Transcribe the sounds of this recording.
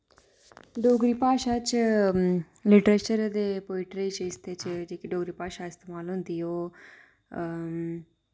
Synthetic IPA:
ɖoːɡɾipaːʃat͡ʃ | lɪʈɾet͡ʃəɾd̪epoːiʈɾet͡ʃəɪst̪et͡ʃd͡ʒeːkiɖoːɡɾipaːʃaɪst̪eːmaːlɦʊ̃nd̪ijoː

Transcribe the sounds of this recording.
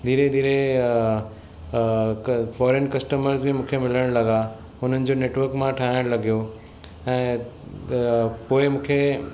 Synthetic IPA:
d̪ʱiːɾed̪ʱiːɾe | fɔːɾenkɐsʈəməɾzbʱɪmũːkʰemɪləɽ̃lɐɡa | ʊn̤ənɪ̆d͡ʑoːneːʈʋəɾkmãʈʰaːɦɪɽ̃lɐɡijo | ɛ̃ː | poːɪmũːkʰe

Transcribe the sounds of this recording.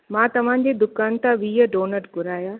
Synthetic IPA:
mãːt̪ɐʋ̤ãd͡ʑeːd̪ʊkaːnt̪ãʋiːəɖoːnəɾbʊɾaːjaː

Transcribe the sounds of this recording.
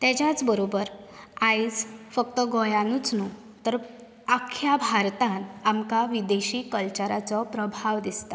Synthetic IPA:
t̪ɛt͡ɕjat͡sbəɾobəɾaid͡zfək̚t̪əɡɔjanut͡snu | t̪əɾ | akʰjabʱaɾt̪ãnamkaʋid̪eɕiːkəlt͡ɕəɾat͡sɔpɾəbʱaʋd̪ist̪a

